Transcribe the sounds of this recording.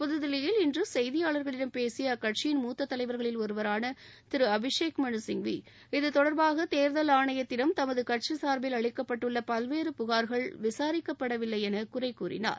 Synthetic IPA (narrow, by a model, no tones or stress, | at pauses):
pʊðɯðɪlɐjɪlɪndrɯsɛjðɪjaːɭɐɾɣɐɭɪɽɐmpeːsɪjɐkɐʈ̚t͡ʃɪjɪnmuːt̪ːɐt̪ːɐlɐɪʋɐɾɣɐɭɪlɔɾɯʋɐɾaːnɐt̪ɪɾɯɐbɪʂeːkmɐɳɯsɪŋʋi | ɪðɯt̪ɔɽɐɾbaːɣɐt̪eːɾðɐlaːɳɐjɐt̪ːɪɽɐmt̪ɐmɐðɯkɐʈ̚t͡ʃisaːɾbɪlɐɭɪkːɐpːɐʈːɯɭːɐpɐlʋeːɾɯpʊɣaːɾɣɐɭʋɪsaːɾɪkːɐpːɐɽɐʋɪlːɐɪɛnɐkʊrɐɪkːuːrɪ̰na̰ːɾ